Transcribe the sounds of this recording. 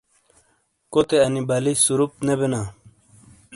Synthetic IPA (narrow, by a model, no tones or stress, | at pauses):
kot̪eɐnibɐlisuɾup̪̚nebenaː